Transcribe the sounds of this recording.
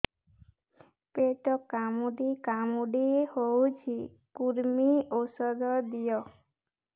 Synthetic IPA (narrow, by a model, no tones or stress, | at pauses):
peʈɔkamuɖikamuɖiehowt͡ʃʰi | kuɾmiosɔd̪ɔd̪ijɔ